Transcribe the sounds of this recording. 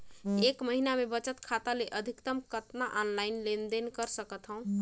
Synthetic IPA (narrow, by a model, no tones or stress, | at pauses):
ekməɦinamebət͡ʃət̪kʰat̪aleʔəd̪ʱikt̪əmkət̪naʔɔnlainlend̪enkəɾsəkət̪ɦə̃ũ